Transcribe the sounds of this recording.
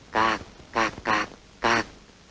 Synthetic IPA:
ka˨ka˨ka˧ | ka˦

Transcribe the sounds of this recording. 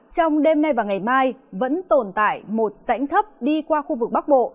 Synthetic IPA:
t͡ɕɔ˧wŋ͡mɗe˧mna˧jvaː˨˩ŋa˨˩jmaː˧jvə̰˧˥nt̪o˨˩nt̪a̰ː˧˨jmo˨˩t̚za̰˧˥jŋ̟t̪ʰə˦˥p̚ɗi˧kwaː˧xu˧vɨ˨˩k̚ɓa˦˥k̚ɓo̰˧˨

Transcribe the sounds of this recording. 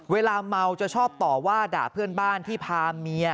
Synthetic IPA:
weː˧laː˧ma˧wt͡ɕa˨˩t͡ɕʰɔː˥˩p̚t̪ɔː˨˩waː˥˩daː˨˩pʰɯ˥˩ənbaː˥˩nt̪ʰiː˥˩pʰaː˧mi˧ə

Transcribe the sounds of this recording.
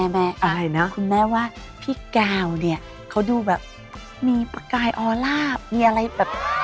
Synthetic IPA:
mɛː˧˩ʔa˧a˧˩jna˦˥kʰɯ˧nmɛː˦˥waː˥˩ | pʰiː˥˩kaː˧wni˥˩ɐ | kʰa˦˥wduː˧bɛː˨˩p̚ | miː˧pa˧kaː˧jʔɔː˧laː˥˩p̚miː˧ʔa˧ɾa˧jbɛː˨˩p̚

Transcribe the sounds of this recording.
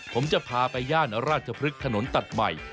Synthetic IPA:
pʰo˩˦mt͡ɕa˨˩pʰaː˧pa˧jːaː˥˩n˩ɾaː˥˩t̪̚t͡ɕʰa˧pʰɾɯ˦˥k̚ʰːa˧no˨˩˦nt̪a˨˩t̪̚ma̰˨˩j

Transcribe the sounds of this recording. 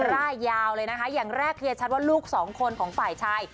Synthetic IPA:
ɾaː˥˩jːaː˧wlɤː˧jna˦˥kʰa˦˥jaː˨˩ŋɾɛː˥˩kʰːɯː˧t͡ɕʰa˦˥t̪̚waː˥˩luː˥˩k̚sɔː˩˦ŋkʰo˧nkʰɔː˩˦ŋfaː˨˩jt͡ɕʰaː˧j

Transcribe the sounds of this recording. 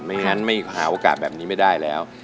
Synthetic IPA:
ma˥˩ŋa˦˥nma˥˩jha̰ː˩˦ʔoː˨˧˩kaː˨˩t̪̚bɛː˨˩p̚niː˦˥ma˥˩jdaː˥˩jlɛː˦˥w

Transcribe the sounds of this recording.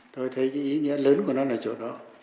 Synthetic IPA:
t̪o˧jt̪ʰə˨˦jkɨ˨˦ʔi˨˦ŋḭ˧˥ələː˨˦nku˧˩ənɔ˨˦naː˨˩t͡ɕo̰˨˧˩t̚ɗɔ˨˦

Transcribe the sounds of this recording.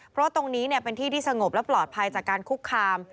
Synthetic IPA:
pʰɾɔ˦˥wa˥˩t̪o˧ŋniː˦˥ni˥˩pe˧nt̪ʰiː˥˩t̪ʰiː˥˩sa˧ŋo˨˩p̚lɛ˦˥wplɔː˨˩t̪̚pʰa˧jt͡ɕaː˨˩kːaː˧nkʰu˦˥kʰːaː˧m

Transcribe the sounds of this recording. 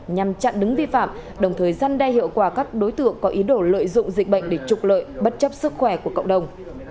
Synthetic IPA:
ɲa˨˩mt͡ɕa̰ː˧˨nɗɨ˨˦ŋvi˧fa̰ː˧˨mɗə˨˩wŋ͡mt̪ʰəː˨˩jzaː˧nɗa˧jhḭ˧˨əwkwaː˧˩kaː˦˥k̚ɗo˨˦jt̪ɨ̰˧˨əŋkɔ˨˦ʔi˨˦ɗo˧˩lə̰ː˧˨jzʊ̰˧˨ŋ͡mzï˨˩k̟̚ɓə̰˧˨jŋ̟ɗe˧˩t͡ɕʊ˨˩k͡p̚lə̰ː˧˨jɓə˦˥t̚t͡ɕə˦˥p̚sɨ˦˥k̚xwɛ˧˩ku˧˩əkə̰˧˨wŋ͡mɗə˨˩wŋ͡m

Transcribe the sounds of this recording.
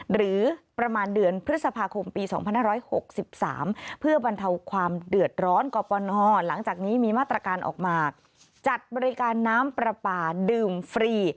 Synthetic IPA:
ɾɯː˩˦pɾa˧maː˧ndɯ˧ənpʰɾɯ˦˥t̪̚sa˧pʰaː˧kʰo˧mpiː˧sɔː˩˦ŋpʰa˧nhaː˥˩ɾɔː˦˥jho˨˩k̚si˨˩p̚sa̰ː˩˦mpʰɯ˥˩ɐba˧nt̪ʰa˧wkʰwaː˧mdɯ˨˩ət̪̚ɾɔː˦˥nkɔː˧pɔː˧nɔː˧˩la˩˦ŋt͡ɕaː˨˩k̚niː˦˥miː˧maː˥˩t̪ɾaː˧kaː˧nʔɔ̰ː˨˩k̚maː˧ | t͡ɕa˨˩t̪̚bɔː˧ɾi˦˥kaː˧nːaː˦˥mpɾa˧paː˧˩dɯː˨˩mfɾiː˧

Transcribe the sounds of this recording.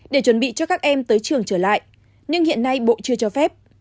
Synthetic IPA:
ɗe˧˩t͡ɕwə˧˩nɓḭ˧˨t͡ɕɔ˧kaː˦˥k̚ʔɛ˧mt̪əː˨˦jt͡ɕɨ˨˩əŋt͡ɕəː˧˩la̰ː˧˨jʔ | ɲɨ˧ŋhḭ˧˨ənːa˧jɓo̰˧˨t͡ɕɨ˧ət͡ɕɔ˧fɛ˦˥p̚

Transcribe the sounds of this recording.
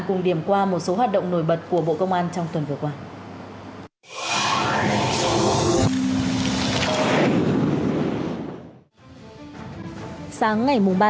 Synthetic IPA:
nkʊ˨˩ŋ͡mɗi˧˩əmkwaː˧mo˨˩t̚so˨˦ɦwaː˨˩t̚ɗə̰˧˨wŋ͡mno˧˩jɓə˨˩t̚ku˧˩əɓo̰˧˨kə˧wŋ͡mʔaː˧nt͡ɕɔ˧ŋ͡mt̪wə˨˩nvɨ˨˩əkwaː˧ | saː˨˦ŋːa˨˩jmʊ˨˩ŋ͡mɓaː˧

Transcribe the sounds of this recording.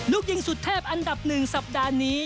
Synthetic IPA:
luː˦˥˩k̚ji˧ŋsu˨˩t̪ʰːɛː˥˩p̚ʔa˧nda˨˩p̚nɯ˨˩ŋsa˨˩p̚daː˧niː˦˥

